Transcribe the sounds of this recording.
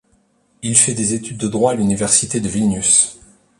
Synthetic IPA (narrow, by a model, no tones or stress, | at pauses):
ilfɛd̪ezet̪yd̪̚ːəd̪ʁwaːlynivɛʁsit̪ed̪əvilnys